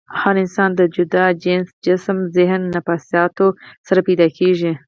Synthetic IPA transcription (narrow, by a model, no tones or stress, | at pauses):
afɑnɪnsɑnd̪əd͡ʒʊd̪ɑd͡ʒensd͡ʒɪsmzɪɦnːafɑsjɑt̪osaɾapejd̪ɑkʰeʒi